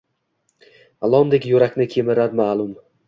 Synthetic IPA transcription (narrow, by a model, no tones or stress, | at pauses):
alˠɒmd̪ekʲjʊɾakʲnɪkʲʰemɪɾaɾmaːlˠʊm